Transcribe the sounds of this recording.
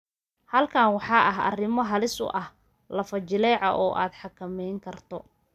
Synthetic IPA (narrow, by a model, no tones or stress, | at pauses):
hɐlkʰaːnwɑħɑːʔɐɦɐ̰rɪmɔɦɐlɪsʊ̰ʔɐh | lɐfɐt͡ʃɪlɛːʕɐ̰ʔɔːʔa̰ːd̪ħɑkʰɐmɛjŋkʰɐrt̪ʰɔ